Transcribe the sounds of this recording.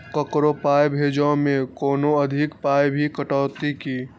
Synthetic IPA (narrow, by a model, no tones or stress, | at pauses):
kəkɾopajbʱed͡ʒɔ̃mẽkoːnoəd̪ʱikpajbʱikəʈɔːt̪iki